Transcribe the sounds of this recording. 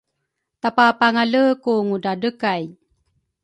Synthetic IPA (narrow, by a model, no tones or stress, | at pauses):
t̪apapaŋaləkuŋudadəkaj